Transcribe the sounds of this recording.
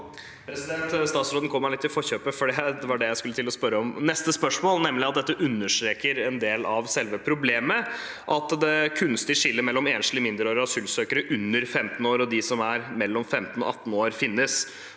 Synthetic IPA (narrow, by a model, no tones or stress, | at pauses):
pʰɾɛsɪd̪ɛnt̪st̪ɑːt̪sɾoːd̪n̩kʰɔmːæɭɪt̪ːɪlfɔçøːpəfɔɖɛd̪ɛʋɑɖɛjæɪskʉlːət̪ʰɪlɔspœɾəɔmnɛst̪əspœʂmoːlnɛmːlɪɑt̪̚d̪ɛt̪ːəʔʉnːəʂt̪ɾeːkəɾɛnd̪eːlɑʋsɛlʋəpʰɾʊbleːmə | ʔɑt̪d̪ɛkʰʉnst̪ɪʂɪlːəɾmɛlːɔmeːnʂl̩ɪəmɪnd̪əɾoːɾəɑsʉːlsøːkəɾəʔʉnːəɾfɛmt̪n̩oːɾɔd̪ɪsɔmæɾmɛlːɔmfɛmt̪n̩ɔ̰ʔɑt̪ːn̩oːɾfɪnːəs